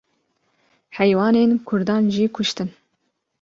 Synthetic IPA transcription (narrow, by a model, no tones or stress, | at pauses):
ħɛjwɑːneːnkʰʊɾd̪ɑːnʒikʰʊʃt̪ɨn